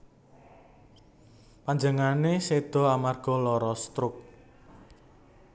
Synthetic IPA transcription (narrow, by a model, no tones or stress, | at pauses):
paɲd͡ʒəŋanesed̪̥ɔ̤amarɡ̥ɔ̤lɔɾɔst̪ɾʊk̚